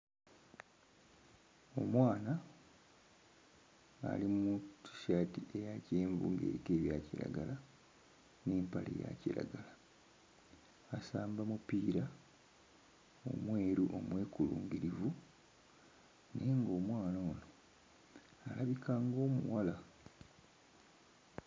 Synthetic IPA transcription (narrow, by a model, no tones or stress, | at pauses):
o̞mwaːna | limuti̥ʃaːtiʔe̞jaceːɱvṵŋɡḛɾike̞ːβjaːciɾa̰ɡala | neːmpalḛja̰ciɾa̰ɡala | asaːmbamupiːɾa | o̞̰mwe̞ːɾuʔo̞mwe̞ːkuluːŋɡiɾivu | neŋɡo̞ːmwaːnaono̞ | alaβikʰaŋɡo̞ːmuwala